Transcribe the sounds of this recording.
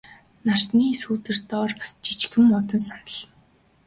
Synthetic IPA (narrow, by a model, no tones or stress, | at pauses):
nar̥sniːsuːt̪ɘ̆rt̪ɔːrt͡ɕi̥t͡ɕxɘ̆mːʊt̪ə̆ns̬anə̆ɮ